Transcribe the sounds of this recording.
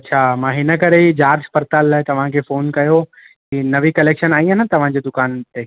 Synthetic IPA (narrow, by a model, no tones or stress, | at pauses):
ɐtːɕʰaːmãːɦɪnəkɐɾed͡ʑaːɾd͡ʑpɐɾt̪aːlːaːɪt̪ɐʋ̤ãkʰeːfoːnkɐjo | ɦiːnɐʋikɐleːkʃənaːĩɦanət̪ɐʋ̤ãd͡ʑeːd̪ʊkaːnt̪eː